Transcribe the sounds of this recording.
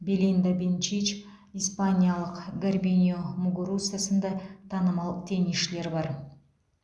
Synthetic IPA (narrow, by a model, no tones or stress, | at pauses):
bʲelind̪abʲent͡ʃit͡ʃ | ijspanʲijalˠəqɡarbʲinʲijomuɡuɾusɨjasənd̪ɑt̪ʰɑnəmɑlˠt̪ʰe̞niʃle̞ɾbɑɾ